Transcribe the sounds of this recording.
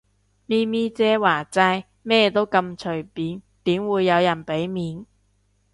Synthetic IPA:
miː˥miː˥t͡sɛː˨˥waː˨˩t͡sɐ˧j | mɛː˥t̪o˥wkɐ˧mt͡ʃʰɵ˨˩ɥpiː˨˥n | t̪iː˨˥mwuː˨˧jːɐ˨˧wjɐ˨˩npe˨˥jmiː˨˧n

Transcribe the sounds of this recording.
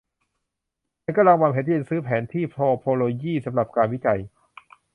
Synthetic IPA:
a˧nkːla˧waː˧mhʰe˨˦t̪i˥˧˩sɯː˦˥pʰɛː˩˦nt̪ʰiː˥˩pʰloː˧pʰoː˧loː˧jiː˥˩sa˩˦mɾa˨˩p̚kaː˧nwi˦˥˩t͡ɕa˧j

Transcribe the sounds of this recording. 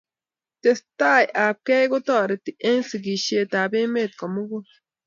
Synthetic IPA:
t̪e˧st̪a˦ja˨p̚ke˦ɡo˦t̪ɔ˦˨ɾe˨t̪i˨ʔe˦nsi˨ɡi˨ʃe˧t̪a˨be˦me˦˨t̪̚ka˨mu˦ɡo˦

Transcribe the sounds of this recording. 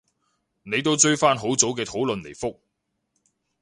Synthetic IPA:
ne˨˧jt̪o˥wt͡ʃɵ˥ɥfaː˥nɦo˨˥wt͡so˨˥wkɛː˧t̪ʰo˨˥wlɵ˨nle˨˩jfʊ˥k̚

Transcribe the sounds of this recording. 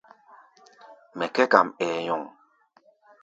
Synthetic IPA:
mɛ˨kɛ˦ka˨mɛ˨jɔ˨ŋ

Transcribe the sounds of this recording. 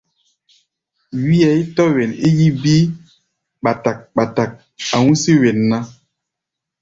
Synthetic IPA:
wi˦ɛ˨i˦tɔ˦wɛ˨ni˦ji˦bi˦ | ɓa˨ta˨k̚ɓa˨ta˨k̚ | a˨wũ˦si˦wɛ˨nːã˦

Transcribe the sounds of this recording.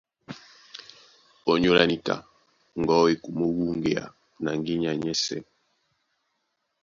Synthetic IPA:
o˨ɲo˦la˨ni˦ka̰˨ | ŋ˨ɡɔ˦e˨ku˨mo˦wu˦ŋɡe˨a̰˨ | na˨ŋɡi˦ɲa˨ɲɛ˦sɛ̰˦˨

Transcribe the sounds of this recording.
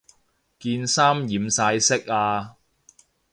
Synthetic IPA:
kiː˧nsaː˥mjiː˨˥msaː˧jsɪ˥k̚aː˧

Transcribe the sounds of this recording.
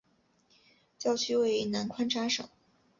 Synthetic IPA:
t͡ɕjɑ˥˧˩ʊt͡ɕʰy˥we˥˧ɪ˥˩na˧˥nkʰwa˥nʈ͡ʂʰa˥ʂɤ̰˨˩˦ŋ

